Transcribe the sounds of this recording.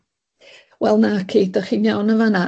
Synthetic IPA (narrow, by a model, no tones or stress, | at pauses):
wɛlˠnakʰiːdaχiːnjawnəvana